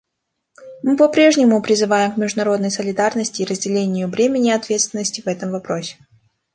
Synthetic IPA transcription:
mɨpɐpɾʲe̞ʐnʲɪmʊpɾʲɪzɨvajɪmkmʲɪʐd̪ʊnɐɾo̞d̪nəjsəlʲɪd̪arnəsʲtʲɪːɾəzʲdʲɪlʲenʲɪjʊvɾʲemʲɪnʲɪɐt̪vʲe̞t̪st̪vʲɪnːəsʲtʲɪvɛt̪əmvɐpɾo̞sʲɪ̥

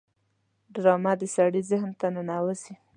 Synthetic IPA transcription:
ɖɾɑmad̪əsaɽizɪhnt̪ananawəsi

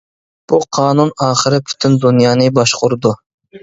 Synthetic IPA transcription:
b̥uqʰɑːnunɑːχəɾɪpʰy̥t̪ʰynd̪unjɑːnɨbɑʃqʊɾɨd̪u

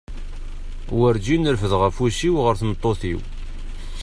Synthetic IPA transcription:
wəɾd͡ʒinəɾfəðʁæfusiwʁəɾθnət̪ˤːoθḭw

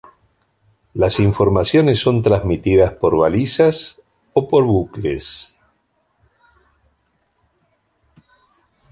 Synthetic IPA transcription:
lasiɱfo̞ɾmasjo̞nesːo̞nt̪ɾazmit̪iðaspo̞ɾβalisas | opo̞ɾβuklḛs

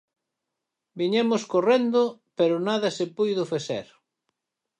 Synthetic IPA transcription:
biɲemʊskorend̪ʊpeɾʊnaðɐsepujðʊfesḛɾ

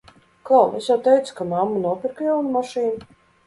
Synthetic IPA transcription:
kɔːesjawt̪ɛjt̪su̥kamamːunuɔpʲiɾkjawnumaʃiːnu

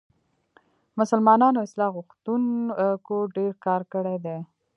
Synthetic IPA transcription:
mʊsəlmɑnɑnoɪslɑɣʊxt̪unkoɖeɾkɑɾkəɽed̪e

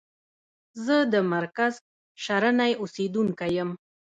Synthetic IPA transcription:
zəd̪əmaɾkaz | ʃaɾanajused̪uŋkajəm

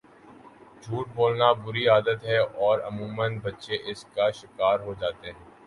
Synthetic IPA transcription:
d͡ʒʱuːʈ̚boːlnabʊɾiaːd̪ət̪ɦɛɔːɾɐmũːmənbɐtːʃeʔɪskaʃɪkaːɾɦod͡ʒaːt̪eɦɛ̃ː

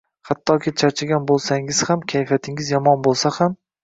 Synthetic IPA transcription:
hat̪ʰːɒkʲʰɪt͡ʃʰaɾt͡ʃʰɪɡʲanbolˠsaŋɪz̥hamkʲʰajfjat̪ʰɪŋɪzjɒmɒnbolˠsaham

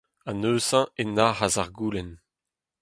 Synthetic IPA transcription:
anøːzɑ̃enaːhazaʁɡuːlɛn

